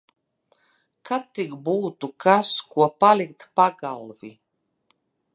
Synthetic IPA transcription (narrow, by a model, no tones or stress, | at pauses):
kʰat̪ːiɡbuːt̪ukʰaskuɔpalʲik̚t̪paɡalˠvi